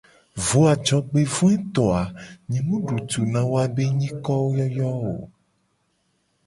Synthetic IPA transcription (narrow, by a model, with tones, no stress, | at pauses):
vo˦a˨d͡ʒɔ˨ɡ͡be˦vũ˦ɛ˦t̪ɔ˨a˨ɲĩ˨mũ˦ɖu˨t̪u˨nã˨wo˦a˦be˦ɲĩ˦kɔ˦wo˦jɔ˦jɔ˦o̰˨